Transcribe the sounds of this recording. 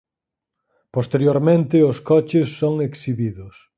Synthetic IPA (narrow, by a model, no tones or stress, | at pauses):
post̪eɾjoɾmẽnt̪ɪoskɔt͡ʃɪsːoŋeksiβiðʊs